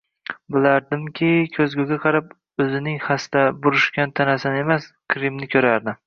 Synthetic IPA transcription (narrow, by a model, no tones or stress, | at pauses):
bɪlaɾd̪ɪmkʲʰɪkʲʰɵzɡʲʊɡʲaqʰɑɾap | ɵzɪnɪŋhast̪abʊɾɪʃkʲant̪ʰanasane̞maskʲʰɾɪmnɪkʲʰɵɾaɾd̪ɪm